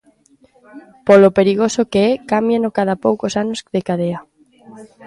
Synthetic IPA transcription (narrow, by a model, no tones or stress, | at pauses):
polopeɾiɣ̞osokeɛkamjenokaðapowkosanosðekað̞ea